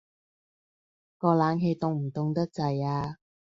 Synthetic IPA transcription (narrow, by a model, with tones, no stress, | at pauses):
kɔː˧laː˨˥nɦe˧jt̪ʊ˧ŋm̩˨˩t̪ʊ˧ŋt̪ɐ˥k̚t͡sɐ˨˧jaː˧